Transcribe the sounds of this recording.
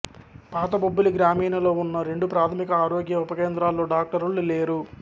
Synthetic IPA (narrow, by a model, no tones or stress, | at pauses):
paːt̪̬ɐbobːuliɡɾaːmiːnɐlo̞ːunːɐɾe̞ɳɖupɾaːt̪ʰɐmikɐaːɾo̞ːɡjɐupɐkeːnd̪ɾaːlːo̞ːɖaːk̚ʈɐɾulle̞ːɾu